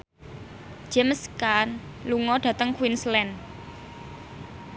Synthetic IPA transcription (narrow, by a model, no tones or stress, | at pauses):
d͡ʒ̥ɛmskan | luŋɔɖ̥ä̤t̪əŋkwinslɛn